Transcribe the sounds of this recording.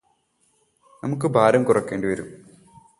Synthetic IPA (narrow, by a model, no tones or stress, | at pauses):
nɐmukːɨbʱaːɾɐmkurɐkːeːɳɖiʋɐɾṵm